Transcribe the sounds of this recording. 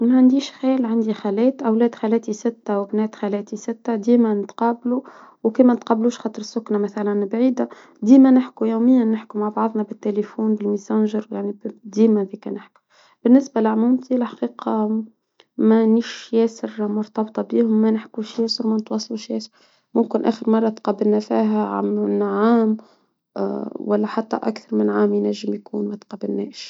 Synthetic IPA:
mæʕand̪iːʃxæːlʕand̪ixælɛːt̪ʔæwlɛːd̪xalɛːt̪isɪt̪ːæwbnɛːt̪xælɛːt̪isɪt̪ːæd̪iːmænət̪qɑːblu | wkiːmænət̪̚qɑbluːʃxɑːt̪ˤɾəsːʊknamæθælænbʕiːd̪a | d̪iːmænɪħkujuwmɪjːanːɪħkumaʕbɑʕðˤnɑbɪt̪ːelefuːnbɪlmisɑnʒəɾjaʕnibd̪iːmæðikænɪħkʊ̥ | b̥ɪnːɪsbalɪʕmumt̪ilħḁqiːqɑ | mæniʃjɛːsɪɾmʊɾt̪ɑbt̪ˤɑbiːhʊmːænɪħkuʃjɛːsəɾmænɪt̪wɑsˤːɑlʃjɛːsɾ | mʊmkɪnʔæ̰ːxəɾmɑrˤːɑt̪qɑbɪlnæfiːɦæʕa̰mnːʕaːm | wælːæħat̪ːæ̰ʔa̰kθɑɾˤmɪnʕaːmjnæʒːɪmjkuːnmæt̪qɑbɪlːɛːʃ

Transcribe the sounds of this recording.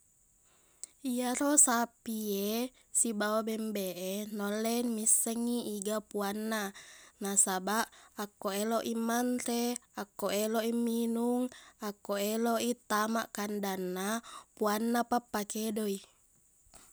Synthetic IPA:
iaɾosapie | sibawabɛmbeʔenolːemisːɛŋːiiɡapuanːanasabaʔakːoeloʔimːant̪eakːoʔeloʔimːinuŋakːoeloʔit̪ama̰ʔkandanːapuanːapapːakedoi

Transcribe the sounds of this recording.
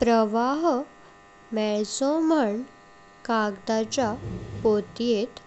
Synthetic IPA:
pɾəʋaɦ | mɛɭsoməɳ | kaɡd̪at͡ɕapot̪jet̪

